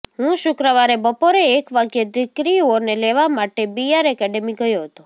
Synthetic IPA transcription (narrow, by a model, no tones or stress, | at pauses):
ɦũʃʊkɾəʋaɾebəpoɾeːkʋaɡjed̪ɪkɾioneleʋamaʈebijaɾɛkɛɖemiɡəjoɦət̪o